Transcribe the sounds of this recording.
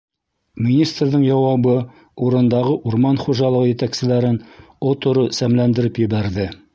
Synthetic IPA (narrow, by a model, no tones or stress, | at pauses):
mʲinʲist̪rðɤŋjɑwɑβɤ | uɾɤ̆nd̪ɑʁɤʔuɾmɑnχuʒɑlˠɤʁjɘ̆t̪æksɘ̆læɾɘn | ot̪ŏɾɤsæmlænd̪ɘ̆ɾɘpjɘ̆βæɾðɘ